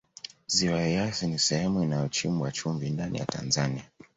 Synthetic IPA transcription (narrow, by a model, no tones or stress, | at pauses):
ziwajɛjasinisɛhɛmuinajɔt͡ʃimuwat͡ʃumvindanʔḭja̰ta̰nzania